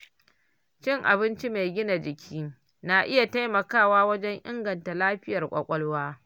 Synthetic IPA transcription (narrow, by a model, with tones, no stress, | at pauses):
t͡ʃɪ˦ŋʔa̰˨bɪ˦nt͡ʃi˦ma˨jɡʲɪ˦na˨d͡ʒɪ˨kʲʰiː˦ | na˨ʔɪ˦ja˨ta˦jmɐ˨kaː˦˨waː˦wɐ˦d͡ʒɛ˦ŋʔɪ˦ŋɡɐ˨nta˨laː˦ɸɪ˦jɐ˨rkʷʼɐ̰˨kʷʼɔ˦lwaː˦